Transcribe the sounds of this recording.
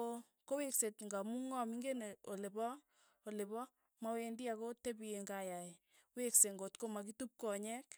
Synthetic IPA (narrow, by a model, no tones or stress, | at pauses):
o | koweksetŋɡamuŋɔmiŋɡeneolebɔ | olebɔ | mawendiakotebijeŋɡajae | wekseŋɡotkomak̬itup̚kɔɲɛk